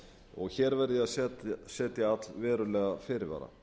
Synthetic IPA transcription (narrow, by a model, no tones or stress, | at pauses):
ɔɣçɛːɾvɛɾðaðsɛt̪sɛːt̪jɪat̪lvɛːɾʏlɛːɣafɪɾɪɾva̰ːɾa̰